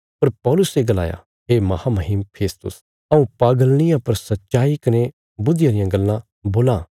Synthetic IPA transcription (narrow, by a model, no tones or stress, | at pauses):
pɐɾpɔːlʊseɡɐla̰ːja̰ | ɦeːmɐhaːmɐɦimpʰeːst̪ʊ̰s | ɐũpaːɡəlɽ̃ɪjãpɐɾsɐtːʃaːikɐne | bʊd̪ɪjãɾɪjãɡɐlːã | boːlãː